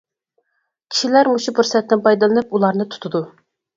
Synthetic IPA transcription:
kʲʰi̥ʃilæɾmuʃupuɾsɛt̪ːɪnpʰɑjd̪ɨlˠɨnɨpulˠɑɾnɨt̪ʰu̥t̪ʰʊd̪u

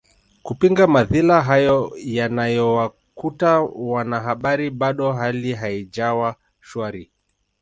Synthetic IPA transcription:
kupiŋɡamaðilaɦajɔjanajɔwa | kutawanaɦaɓaɾiɓaɗɔɦaliɦaid͡ʒawa | ʃaɾi

